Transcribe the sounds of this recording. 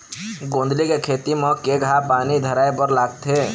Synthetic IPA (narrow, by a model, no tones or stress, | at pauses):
ɡõːnd̪likekʰeːt̪imɔ̃keɡʱapaːnid̪ʱəɾaːebəɾlaːɡt̪ʰeː